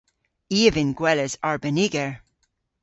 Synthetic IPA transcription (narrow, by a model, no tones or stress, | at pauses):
iəvɪ̃nɡwɛləzaɹbəniɡəɹ